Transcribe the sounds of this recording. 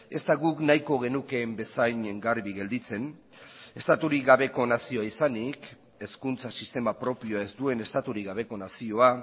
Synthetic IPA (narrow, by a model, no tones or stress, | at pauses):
e̞st̪aɣuknajko̞ɣe̞nuke̞mbe̞sajɲŋɡaɾβiɣe̞ld̪it͡se̞n | e̞st̪at̪uɾiɣaβe̞ko̞nasio̞aisanik | e̞skunt͡sasist̪e̞mapɾo̞pio̞ae̞zd̪ue̞ne̞st̪at̪uɾiɣaβ̞e̞ko̞nasio̞a